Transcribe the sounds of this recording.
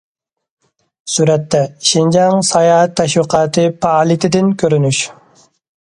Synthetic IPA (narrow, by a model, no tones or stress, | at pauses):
suɾɛt̪ːɛʃind͡ʒɑŋsɑjɑːɦɛt̪ʰːɛʃwiqʰɑːt̪ʰɨpʰɑɑːlˠit̪ʰɪd̪ɪnkʲʰøɾynyʃ